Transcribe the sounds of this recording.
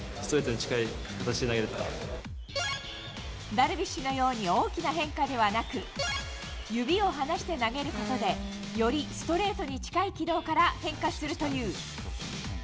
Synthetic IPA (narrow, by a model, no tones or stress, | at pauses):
sɨt̪oɾe̞ːt̪o̞ɲ̟it͡ɕi̥kaikat̪at͡ɕi̥t̪e̞naɡe̞ɾɯt̪aɾa̰ | d̪aɾɯ̟bʲiɕːino̞jo̞ːɲ̟io̞ːkʲinaɦẽ̞ŋkad̪e̞β̞anakɯ̟ | jɯ̟bʲio̞ɦanaɕi̥t̪e̞naɡe̞ɾɯ̟ko̞t̪o̞d̪e̞ | jo̞ɾʲisɨ̥t̪o̞ɾe̞ːt̪o̞ɲ̟it͡ɕi̥kaikʲid̪o̞ːkaɾahẽ̞ŋkasɨɾɯ̟t̪o̞jɯ̟ː